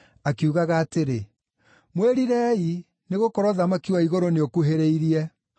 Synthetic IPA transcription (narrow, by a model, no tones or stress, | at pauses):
akiuɣaɣaːteɾe | mweɾiɾɛi | neɣokɔɾwɔðamakiwaiɣoɾoneokuɦeɾeiɾiɛ